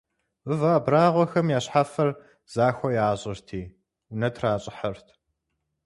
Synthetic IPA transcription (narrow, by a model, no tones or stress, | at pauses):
ɨvaːbraːʁʷɔxɐmjaːɕħafɐr | z̥aːxʷɔjaːʑʼɪrtʰiː | ʊnɐtʰraːɕʼɪħɐrtʰ